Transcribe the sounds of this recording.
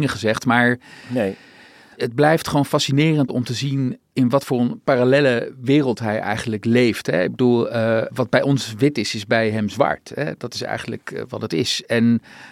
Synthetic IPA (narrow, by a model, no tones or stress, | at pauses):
ŋəχəzɛχtmaːɹ | ɦəd̚blɛjftχəʋownfɑsinɪːrəntɔmtəzin | ɪnʋɑtfʊːrənpaːralɛləʋɪːrəlˠtɦɛjɛ̰jχəndləklejftɦɛ̰ɪ̰ɡ̚bədulˠəʋɑd̚bɛjɔnsʋɪtɪsɪzbɛjɦɛmzʋɑ̰ɹtɦɛ̰dɑtɪsɛ̰jχənlə̰kʋɑ̰tətɪsɛn